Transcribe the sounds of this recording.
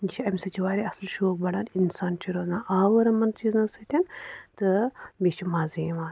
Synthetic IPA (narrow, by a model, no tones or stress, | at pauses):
ɡit͡ʃʰiɐmʲisɐt͡ʃʰiʋaːɾʲiɐsɐlʃoːk̚bɐɽaːninsaːnt͡ʃʰiɾoːznaːʔaːʋɐɾɐmɐnt͡ʃiːznɐsɨt̪ʲɐnt̪ɨbʲet͡ʃʰimaːziʋaːn